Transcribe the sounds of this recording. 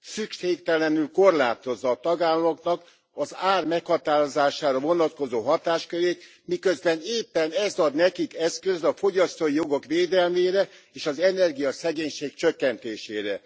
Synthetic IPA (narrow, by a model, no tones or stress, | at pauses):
sykʃeːkt̪ɛlɛnylko̞rlaːt̪o̞zːɒːt̪ɒɡaːlːɔmoknɒk | ɒzaːrmɛkhɒt̪aːɾo̞zaːʃaːɾɒvo̞nɒt̪̚ko̞zoːɦɒt̪aːʃkøɾeːt̪ | mikøzbɛneːpːɛnɛzɒd̪nɛkikɛskø̞zɒfo̞ɟɒst̪oːijo̞ɡo̞kʋeːd̪ɛlmeːɾɛeːʃɒzɛnɛrɡijɒsɛɡeːɲʃeːkt͡ʃøkːɛnt̪eːʃeːɾɛ